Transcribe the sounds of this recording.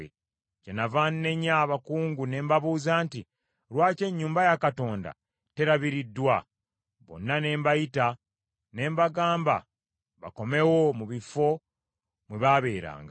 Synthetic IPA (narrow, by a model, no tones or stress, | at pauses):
e | cenavanne̞ɲaβakuːŋɡune̞ːmbaβuːzaːnti | ɾwaːce̞ɲːuːmbajakato̞ːnda̰ | te̞ɾaβiɾidːwa | βo̞̰nːane̞ːmbajita | ne̞ːmbaɡaːmba̰ | βa̰ko̞me̞womuβifo̞ | mweβaβe̞ːɾa̰ːŋɡa